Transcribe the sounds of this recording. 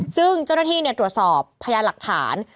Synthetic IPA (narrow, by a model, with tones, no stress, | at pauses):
sɯ˥˩ŋt͡ɕa˥˩wnaː˥t̪ʰiː˥˩ni˥˩ət̪ɾu˨˩ət̪̚sɔː˨˩pʰːa˧jaː˧la˨˩k̚t̪ʰa̰ː˩˦n